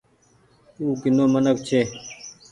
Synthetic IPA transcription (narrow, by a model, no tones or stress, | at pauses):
uːkinoːmʌnək̚t͡ɕʰeː